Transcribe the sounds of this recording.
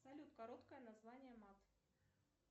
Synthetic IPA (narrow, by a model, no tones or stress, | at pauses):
zɐlʲut̪kɐɾot̪kəjənɐzvanʲɪjəmat̪